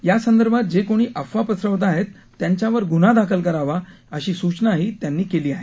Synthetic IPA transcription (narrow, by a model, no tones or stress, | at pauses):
jasənd̪əɾbʱat̪̚d͡ʑekoɽ̃iːʔəfʋapəsɾəʋt̪aɦet̪ːjaɲt͡ɕjaʋəɾɡunad̪akʰəlkəɾaʋa | əɕiːsut͡ɕnaɦiːt̪janːiːkeliːaɦe